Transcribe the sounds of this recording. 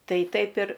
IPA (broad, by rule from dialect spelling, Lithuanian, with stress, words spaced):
ˈtɐɪ ˈtɐɪp ɪr